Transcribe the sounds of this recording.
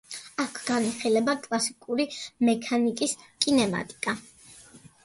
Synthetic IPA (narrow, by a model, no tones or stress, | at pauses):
akʰɡaniχilɛbakʼlˠasikʼuɾimɛkʰanikʼiskʼinɛma̰t̪ʼi̥kʼa